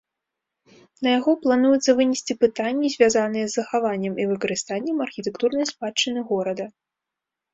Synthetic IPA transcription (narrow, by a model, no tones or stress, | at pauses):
nɐjaɣɔplˠanujut̪sːɐvɨnʲisʲt͡sʲipɨt̪anʲːizʲvʲazanɨjɛzːɐxavanʲːɛmivɨkɐɾɨst̪anʲːɛmɐrxʲit̪ɛkt̪urnɐjspat͡ʂːɨnɨɣɔɾɐd̪ɐ